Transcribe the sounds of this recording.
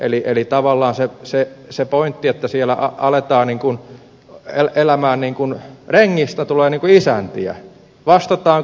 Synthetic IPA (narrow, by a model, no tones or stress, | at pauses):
ʔeliʔelit̪ɑʋɑlːɑːnsesesepoint̪ːiet̪ːæsielæ̰ʔɑ̰ɑlet̪ɑːnniːŋkun | eelæmæːnniːŋkunreŋːist̪æt̪uleːniːŋkuisænt̪iæ̰ | ʋɑst̪ɑt̪ɑːŋ